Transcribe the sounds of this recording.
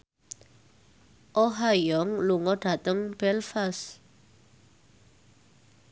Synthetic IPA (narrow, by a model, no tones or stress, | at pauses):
ʔɔɦajɔŋluŋɔɖ̥ä̤t̪əŋb̥ɛlfas